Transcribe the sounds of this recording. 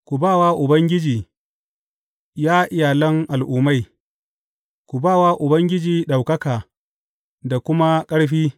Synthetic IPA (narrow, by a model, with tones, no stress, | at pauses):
kʷu˨baː˦˨waː˦ʔʊ˨bɐ˦ŋɡʲɪ˦d͡ʒiː˨ | jaː˦ʔɪ˦jaː˨lɐ˦ŋʔa˨lʔʊ˨ma˦j | kʷu˨baː˦˨waː˦ʔʊ˨bɐ˦ŋɡʲɪ˦d͡ʒiː˨ɗa˨wkɐ˦kaː˨ | da˨kʷʊ˦ma˦kʼɐ˦ɽɸiː˦